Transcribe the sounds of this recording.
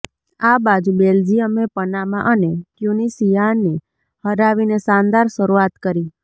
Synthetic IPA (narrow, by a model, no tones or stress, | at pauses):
abad͡ʒũbeld͡ʒijəmepənamãʔənekjunisijani | həɾaʋinesãnd̪aɾʃəɾuat̪kəɾi